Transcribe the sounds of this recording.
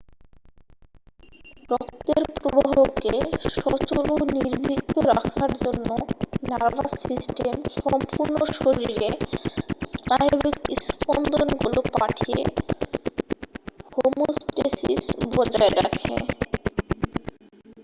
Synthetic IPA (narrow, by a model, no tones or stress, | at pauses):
bɾɔk̚t̪eɾpɾobaɦokeʃɔt͡ɕoloniɾbʱit̪ːoɾakʰaɾd͡ʑonːonaɾbasisʈemʃɔmpuɾnoʃoɾiɾe | snajbikiskond̪ʱonɡulopaʈʰijḛ | homusʈesisbɔd͡ʑaeɾakʰḛ